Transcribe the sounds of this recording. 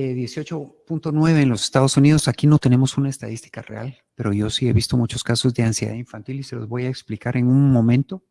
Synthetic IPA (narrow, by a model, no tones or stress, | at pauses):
eðje̞sjo̞t͡ʃo̞punt̪o̞nwe̞βe̞ːnlo̞sest̪að̞o̞sunið̞osakino̞t̪e̞ne̞mo̞sunaest̪að̞ist̪i̥karḛa̰l | pe̞ɾo̞ʝo̞sie̞βist̪o̞mut͡ʃo̞skaso̞zðe̞ansjeða̰ðiɱfant̪ilise̞lozβo̞jaeksplikaɾe̞nunmõ̞mẽ̞nt̪o̞